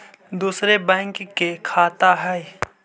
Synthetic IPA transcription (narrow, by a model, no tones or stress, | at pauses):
d̪uːsɾebɛ̃ːŋkkːekʰaːt̪aɦɛː